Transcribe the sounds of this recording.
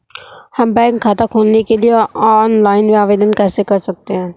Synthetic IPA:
hɐmbɛ̃ːŋkʰːaːt̪akʰoːlnekelieɔːnlaːɪnʋaːʋeːd̪ənkɛːsekɐɾsɐk̚t̪eɦɛ̃ː

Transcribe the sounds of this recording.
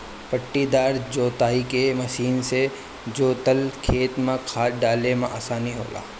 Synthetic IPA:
pəʈːid̪aːɾd͡ʒoːt̪aːikemɐʃiːnse | d͡ʒoːt̪əlkʰeːt̪mẽkʰaːɖaːlemãʔa̰ːsaːniɦo̰ːla̰ː

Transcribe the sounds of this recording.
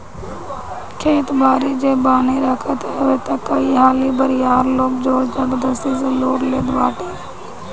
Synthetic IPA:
kʰẽːt̪baːɾiːd͡ʒeːbaːneɾəkʰət̪ɦɛʋeːt̪akəiɦaːlibəɾɪjaːɾloːk̚d͡ʒoːd͡ʒəɡd̪əsiːzeloːɽleːd̪ʋaːʈeː

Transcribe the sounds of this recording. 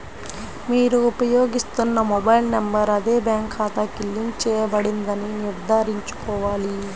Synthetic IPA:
miːɾuupɐjoːɡist̪unːɐmɔbɐjlnembɐɾɐd̪eːbjaːŋkʰaːt̪ɐkilːiŋ̚t͡ʃɛːjɐbɐɽind̪ɐniniɾd̪ʱaːɾiɲt͡ʃu̥kɔːʋaːli

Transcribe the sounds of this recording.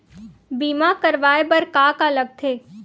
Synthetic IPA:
biːmakəɾʋaːebəɾkaːkaləɡ̚t̪ʰeː

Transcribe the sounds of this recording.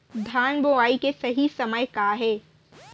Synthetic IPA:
d̪ʱaːnboʋaːikesɐɦisɐməjkaɦɛː

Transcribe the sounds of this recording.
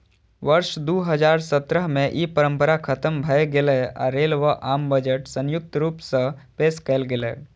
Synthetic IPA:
ʋəɾʃd̪uːɦəd͡ʒaːɾsət̪ɾəɦmẽʔipəɾə̃mpəɾakʰət̪əmbʱəeɡelea̰ɾeːlʋəʔaːmbəd͡ʒəʈsə̃njʊk̚t̪ɾuːpsə̃peːskəlɡelḛ

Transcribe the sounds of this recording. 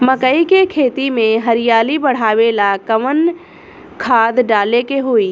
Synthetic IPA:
məkəikekʰeːt̪imẽɦəɾɪjaːlibəɽ̤aːʋelakəmən | kʰaːd̪ɖaːlekeɦoːiː

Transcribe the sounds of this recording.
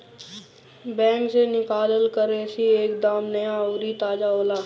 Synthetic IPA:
bɛ̃ːŋksenɪkaːləlkəɾeːsieːkd̪aːmnɐjaoːɾit̪aːd͡ʒaoːlaː

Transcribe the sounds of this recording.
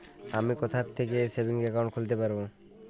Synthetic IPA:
amikɔt̪ʰaɾt̪ʰːek̬esebiŋɡɛkaw̃ɳʈ̚kʰult̪̬epaɾbo

